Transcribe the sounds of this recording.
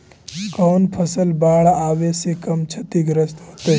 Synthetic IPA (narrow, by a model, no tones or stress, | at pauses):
kɔːnpʰəsəlbaːɽaːʋesekɐmt͡ʃʰɐt̪iɡɾəst̪ɦoːt̪e